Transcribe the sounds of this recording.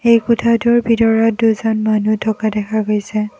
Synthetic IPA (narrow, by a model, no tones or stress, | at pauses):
ejkʊtʰatʊɹbʱidɔɹɔt̚duzɔnmanutʰɔkadɛkʰaɡojsɛ